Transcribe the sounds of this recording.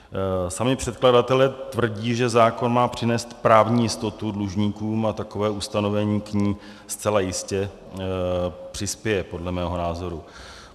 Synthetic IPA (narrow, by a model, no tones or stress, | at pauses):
samɪpr̥ɛt̪kladat̪ɛlɛt̪vr̩ɟiːʒɛzaːko̞nmaːpr̝̥ɪnɛːst̪pɾaːvɲiːjɪst̪o̞t̪udluʒɲiːkuːmat̪ako̞vɛːʔust̪ano̞vɛɲiːkɲiː | st͡sɛlajɪscɛ | pr̝̥ɪspjɛjɛpo̞dlɛmɛːɦo̞naːzo̞ɾu